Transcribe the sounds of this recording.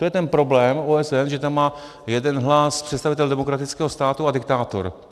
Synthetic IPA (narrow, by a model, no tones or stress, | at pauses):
t̪ojɛt̪ɛnpɾo̞blɛːmoːɛsɛnʒɛt̪amːaː | jɛdɛnɦlaspr̥ɛt̪st̪avɪt̪ɛldɛmo̞kɾat̪ɪt͡skɛːɦo̞st̪aːt̪uadɪk̚t̪aːt̪o̰ɾ